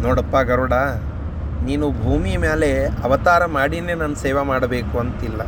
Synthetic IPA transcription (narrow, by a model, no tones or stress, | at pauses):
nɔːɽɐpːaɡɐɾuɽa | niːnubʱuːmimeːleɐʋɐt̪aːɾɐmaːɽineːnɐnːuseːʋɐmaːɽɐbeːkuɐnt̪ilːɐ